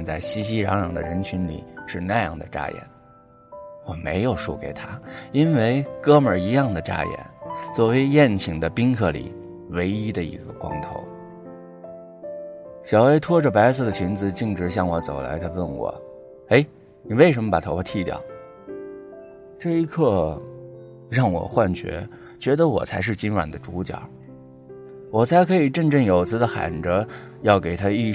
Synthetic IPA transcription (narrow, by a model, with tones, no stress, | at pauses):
nt͡sa˥˩ɪɕi˥ɕ̬i˥ɻɑ̰˧˥ŋɻɑ˨˩ŋd̪ə̰˧ɻə˧˥nt͡ɕʰy˧˥nlḭ˨˩ʂɻ̩˥˧na˥˧jɑ̰˥˩ŋd̪ə̰˩ʈ͡ʂa̰˥jɛ̰˨˩˦n | xwɔ˥˩me˧˥ɪjo˨˩ʊʂṵ˥˩ke˨˩ɪt̪ʰa˥i˥nwe˥˩ɪkɤ˥mə˞˨˩i˧˥jɑ˥˩ŋd̪ə˩ʈ͡ʂa̰˥jɛ̰˨˩˦nt͡swɔ˥˩we˧˥ɪjɛ˥˩nt͡ɕʰi˨˩ŋd̪ə˦pi˥ŋkʰɤ˥˩lḭ˨˩ | we˧˥ɪi˥d̪ə˨ḭ˧˥ɡə˧kwɑ̰˥ŋt̪ʰo̰˧˥ʊ | ɕjɑ˨˩ʊe˥ɪt̪ʰwɔ˥ʈ͡ʂə˨pa˧˥ɪsʰə˧˩d̪ə˩t͡ɕʰi˧˥nt͡sɹ̩˧t͡ɕi˥˩ŋʈ͡ʂɻ̩˧˥ɕ̬jɑ˥˩ŋwɔ˧˥t͡so̰˨˩ʊla̰˧˥ɪt̪ʰa˥wə˥˩nwɔ̰˨˩˦ | e˧˥ɪ | ni˨˩we˥˩ɪʂə˧˥nmə˧pa˨˩t̪ʰpʰa˥t̪ʰi˥˧t̪jɑ̰˥˩ʊ | ʈ͡ʂɤ˥˩i˧˥kʰɤ˥˧ | ɻɑ˥˩ŋwɔ̰˨˩xwa˥˩nt͡ɕɥɛ̰˧˥ | t͡ɕɥɛ˧˥d̪ə˧wɔ̰˨˩t͡sʰa˧˥ɪʂ̬ɻ̩˥˩t͡ɕi˥nwa̰˨˩nd̪ə˦ʈ͡ʂu˧˥t͡ɕjɑ̰˨˩˦ | wɔ˨˩t͡sʰa˧˥ɪkʰɤ˧˥i˨˩ʈ͡ʂə˥˧ŋʈ͡ʂɤ˥˩ŋjo˨˩ʊt͡sʰɹ̩˥d̪ə˧xa̰˨˩nʈ͡ʂə˧˥ | jɑ˥˩ʊke˨˩ɪt̪ʰa˥i˥˧